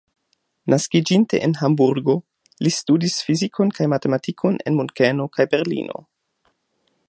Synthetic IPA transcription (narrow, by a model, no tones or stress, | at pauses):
nʔaskid͡ʒinte̞̰ʔenɦambuɾɡo̞ | listudisfizikʰo̞nkajmate̞matikʰo̞nḛnmunkeno̞kajbe̞ɾlḭno̞̰